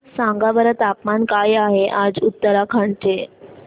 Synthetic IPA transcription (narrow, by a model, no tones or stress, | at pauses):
sãŋɡabəɾət̪apmankajaɦeʔad͡zut̪ːəɾakʰaɳʈʰe